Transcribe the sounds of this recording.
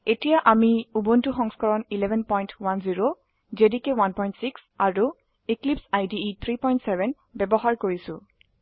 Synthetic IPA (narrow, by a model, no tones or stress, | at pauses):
etijaʔamiubuntuxɔŋskɔɹɔnilɛbʱɛnpɔjntwanziɹo | zedikewanpɔjntsiks | aɹu | iklipsajdiit̪ʰɹipɔj̃ntsɛbʱɛn | bɛbɔɦaɹkoɹisʊ̰̃